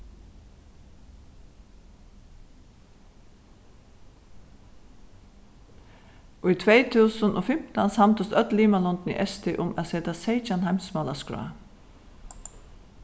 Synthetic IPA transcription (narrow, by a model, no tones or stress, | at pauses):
ʔʊɪt̪ʰʋeɪt̪ʰʉːsənʔo̰ːfɪm̥t̪ansɑmt̪əst̪œt̪liːmalɔnd̪n̩ḭːʔɛst̪ɪʔʊmæ̰seːt̪aseɪt͡ʃanhæɪmsmɑːlaskɹœ̰ː